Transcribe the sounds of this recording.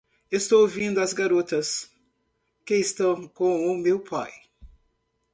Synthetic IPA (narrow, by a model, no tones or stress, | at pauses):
est̪owvĩnd̪ʊɐzɡaɾot̪ɐs | kɪɪst̪ɐ̃w̃kõʊmewpʰa̰j